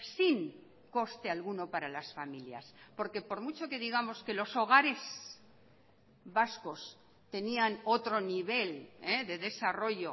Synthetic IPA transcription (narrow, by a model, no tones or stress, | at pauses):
siŋ | ko̞st̪e̞alɣuno̞paɾalasfamilja̰spo̞ɾke̞po̞ɾmut͡ʃo̞ke̞ðiɣ̞amo̞ske̞lo̞so̞ɣ̞aɾe̞s | βasko̞s | t̪e̞niano̞t̪ɾo̞niβ̞e̞leðe̞ðe̞saro̞ʝo̞